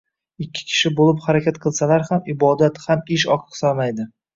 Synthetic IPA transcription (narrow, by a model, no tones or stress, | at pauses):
ɪkʲʰːɪ̥kʲʰɪ̥ʃɪbolɪphaɾakʲʰat̪qʰɨlˠsalaɾhamɪbɒd̪at̪hamɪʃ̬ɒqʰɨ̥qsɒlˠmajd̪ɪ